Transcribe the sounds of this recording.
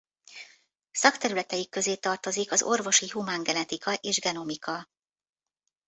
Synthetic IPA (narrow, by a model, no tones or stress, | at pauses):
sɒkt̪ɛɾylɛt̪ɛjikːø̞zeːt̪ɒrt̪o̞zikɒzo̞rvo̞ʃiɦumaːŋɡɛnɛt̪ikɒʔeːʒɡɛno̞mikɒ